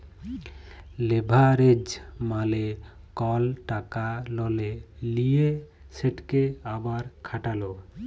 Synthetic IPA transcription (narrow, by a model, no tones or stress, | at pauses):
lebʱaɾed͡ʒmale | kɔlʈakalɔlelije | seʈkeabaɾkʰaʈalo